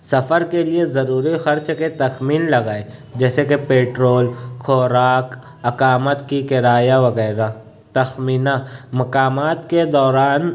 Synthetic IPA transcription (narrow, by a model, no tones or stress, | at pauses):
sɐfəɾkeliezɐɾuːɾixɐɾt͡ʃket̪ɐxmiːnlɐɡaːed͡ʒɛːsekepeːʈɾoːlkʰoːɾaːk | ɐkaːmət̪kikɪɾaːjaʋɐɣɛːɾa | t̪ɐxmiːnamɐkaːmaːt̪ked̪ɔːɾaːn